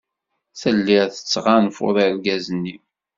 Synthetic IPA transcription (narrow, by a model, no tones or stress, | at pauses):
θəlːiɾθə̥t͡sːʁanfʊ̰ðˤəɾɡæzənːi